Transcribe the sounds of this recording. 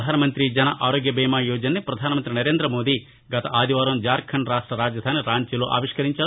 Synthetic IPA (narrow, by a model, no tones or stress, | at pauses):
d̪ʱaːnɐmɐnt̪ɾid͡ʒɐnɐʔaːɾoːɡjɐbɛːmaːjuːd͡ʒɐnːipɾɐd̪ʱaːnɐmɐnt̪ɾinɐɾeːnd̪ɾɐmoːd̪i | ɡɐt̪ɐʔaːd̪ʱiʋaːɾɐmd͡ʒaːɾkʰɐɳɾaːʂʈɾɐɾaːd͡ʒjɐd̪ʱaːniɾaːɲt͡ʃiloːʔa̰ːʋiʂkɐɾiɲt͡ʃaː